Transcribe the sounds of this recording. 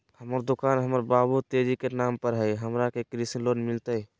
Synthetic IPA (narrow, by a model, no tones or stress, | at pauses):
həməɾd̪ukanɦəməɾbabut̪eɾikenampəɾɦəjɦəmɾakekɾisilonmilt̪ə